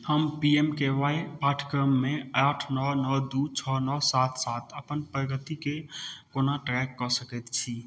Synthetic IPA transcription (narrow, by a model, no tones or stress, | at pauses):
həmpiemkeʋajpaʈʰkɾəmːeaʈʰnənəd̪ut͡ʃʰɔnəsat̪ʰsat̪ʰəpənpɾəɡət̪ikekonaʈɾɛkːɔsəkɛt̪t͡ʃʰi